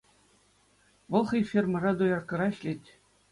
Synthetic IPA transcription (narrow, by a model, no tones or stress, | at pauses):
ʋɤ̆lˠχɤ̆jfʲermɤ̆rɑd̪ujɑrkɤ̆ɾɑɕlʲetʲ